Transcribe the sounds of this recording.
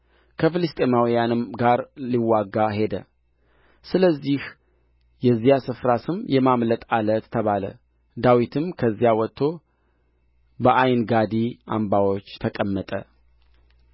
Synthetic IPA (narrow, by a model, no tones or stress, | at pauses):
kʰəfɨlɨst̪ʼemawijanɨmɡaɾliwaɡːaɦe̞d̪ə̰ | sɨləzːih | jɛzːijasɨfɾasɨmjɛmamlət̪ʼalət̪ʰːəβalə̰ | d̪awit̪ʰɨmkʰəzːijawɔt̪ʰːo | bəʔajnɡad̪iʔa̰mbawo̞t͡ʃːt̪ʰəkʼəmːət̪ʼə̰